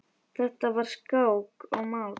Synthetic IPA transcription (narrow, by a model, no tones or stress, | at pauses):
θɛht̪avaɾ̥skaːwkɔɣmaw